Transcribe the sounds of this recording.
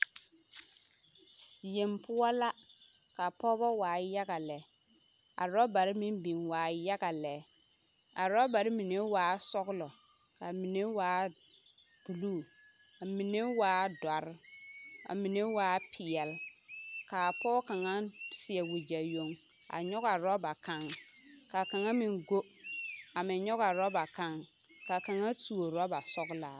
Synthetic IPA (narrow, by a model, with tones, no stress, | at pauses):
si˨e˨mpʰʊ˦ɔ˦la˦ka˨pɔ˦bɔ˦waː˨ja˦ɡa˨lɛ˨˦ | a̰˨ɾɔ˦ba˨ɾɪ˦mi˦m˦bi˨nwaː˨ja˦ɡa˨lɛ˨˦ | a̰˨ɾɔ˦ba˨ɾɪ˦mi˨ne˦waː˨˦sɔ˦ɣʊ˦lɔ˨ka˨mi˨ne˦waː˨˦ | b̥u˨luː˦˨ | a˨mi˨ne˦waː˦da˨ɾa̰˨mi˨ne˦waː˦pʰɪ˨ɛ˨lka˨pɔː˦ka˨ŋa˦sɪ˨ɛ˨wu˨d͡ʒa˨jo˦ŋ | a̰˨ɲɔ˦ɣa˨ɾɔ˦ba˨ka˦ŋka˨ka˨ŋa˦mi˨ŋɡo˦ | a˨mɪ˨ɲɔ˦ɣa˨ɾɔ˦ba˨ka˦ŋka˨ka˨ŋa˦tu˨o˨ɾɔ˦ba˨sɔ˦ɡlaː˨